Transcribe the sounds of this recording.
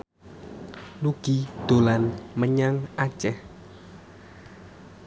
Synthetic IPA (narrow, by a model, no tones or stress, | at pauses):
luɡ̥id̪̥o̤lanməɲaŋat͡ʃɛh